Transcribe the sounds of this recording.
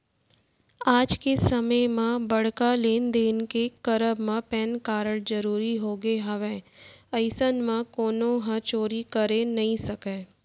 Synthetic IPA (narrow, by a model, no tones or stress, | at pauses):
aːd͡ʒkesəməjmãbɐɽ̤kaleːnd̪eːnkekəɾəbmãpɛːnkaːɾəɽzəɾuːɾiɦoːɡeɦɐʋẽəɪsənmãkoːnõɦət͡ʃoːɾikəɾenɐɦĩsəkeː